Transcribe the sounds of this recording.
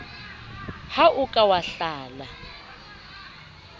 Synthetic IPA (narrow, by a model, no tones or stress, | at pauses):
haʔukʼawaɬaːla